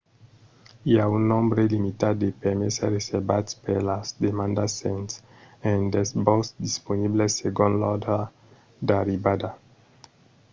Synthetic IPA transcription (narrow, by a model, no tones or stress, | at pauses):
iaũnːɔ̃mbɾelimit̪ad̪epɛɾmesɛresɛbatspɛɾlasd̪emãnd̪asɛ̃ns | ɛ̃ndɛsbɔsd̪isponibleseɡɔ̃nlɔd̪ɾa | d̪aɾibad̪a